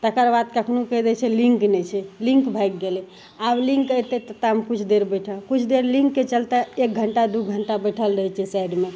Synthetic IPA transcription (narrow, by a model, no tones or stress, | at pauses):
t̪əkəɾbad̪̚kəkʰnukəd̪ɛt͡ʃʰɛlĩŋknɛt͡ʃʰɛlĩŋkbʱək̚ɡelɛ | ablĩŋkəjt̪et̪ət̪amkut͡ʃʰd̪eɾbəʈʰəkut͡ʃʰd̪eɾlĩŋkːet͡ʃəlt̪aek̚ɡʱəɳʈad̪uɡʱəɳʈabəʈʰəlɾəɦɛt͡ʃʰɛsajɖme